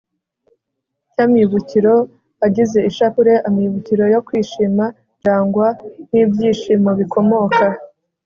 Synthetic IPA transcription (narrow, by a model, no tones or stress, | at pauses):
camiβuciɾo̞ | aɟize̞iʃapuɾe̞ʔamiβuciɾo̞jo̞kwiːʃima | ɲd͡ʒaːŋɡwan̥iːbɟiːʃimoβiko̞mo̞ka